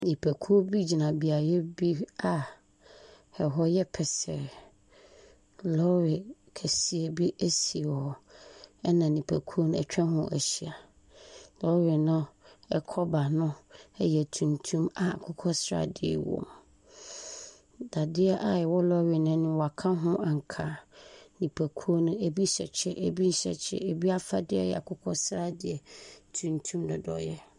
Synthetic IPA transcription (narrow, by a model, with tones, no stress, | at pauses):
nĩ˨pʰæ˨kʰu˦o˦bi˦d͡ʑi˨nã˨bi˨a˨jɛ˦bi˦a˨ | hɛ˨ɦɔ˦jɛ˦pʰɛ˨sɛ̰˨ɾ | lɔ˦ɾɪ˨ | kʰæ˨si˨e˨bi˦ʔæ˦si˨e˨wɔ˨ɛ˦nã˨nĩ˨pʰæ˨kʰu˦ɾo˦ñ˦ɛ̰˨t͡ɕᶣɛ̃˦ɦʊ̰̃˦ʔæ̰˨ɕi˨a˨ | lɔ˦wɪ˨nʊ̃˦ɛ˦kʰɔ˦ba˨nʊ̃˦ɛ˦jɛ˨tʰũ˨ntʰũ˦ma˨a˨kʰʊ˦kʰɔ˦sɾa̰˨dɪ˨ɛ̰˨wɔ̰˨m | da˨dɪ˦ɛ˦ʔa˨jɛ˨wɔ˦lɔ˦ɥɪ˨nʊ̃˦nɪ̃˦wɔ˨a˨kʰã˦ɦʊ̃˦ʔa˨ŋ̩˨kʰa˨nĩ˨pʰæ˨kʰu˦o˦nʊ̃˦e˨bi˦ɕɛ˨t͡ɕʰɛ˨ʔe˨bi˦n̩˦ɕɛ̰˨t͡ɕʰɛ̰˦e˨bi˦a˦fa˦dɪ˦ɛ̰˦jɛ̰˨a˨kʰʊ˦kʰɔ˦sɾa˦dɪ˨ɛ˨tʰũ˨ntʰũ˦mdɔ˨dɔ̰˨jɛ˦